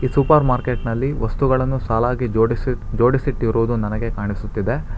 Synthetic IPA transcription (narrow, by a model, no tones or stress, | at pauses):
iːsupɐɾmaːɾke̞ʈnɐlːiʋɐst̪uɡɐɭɐnːusaːlaːɡid͡ʒoɽisd͡ʒoːɽisiʈiɾʔuʋd̪unɐnɐɡe̞kaːɳisut̪ːid̪e̞